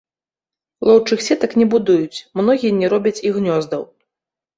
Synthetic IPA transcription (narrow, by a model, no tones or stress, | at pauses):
lˠɔwt͡ʂɨxsʲɛt̪ɐknʲɛbud̪ujut͡sʲmnɔɣʲijɛnʲɛɾɔbʲɐt͡sʲiɣnʲɔzd̪ɐw